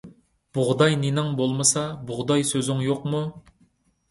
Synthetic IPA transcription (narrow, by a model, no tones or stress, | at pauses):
b̥ʊʁd̪ɑjnenɪŋbolˠmɨsɑbʊʁd̪ɑjsøzɪŋjoqmu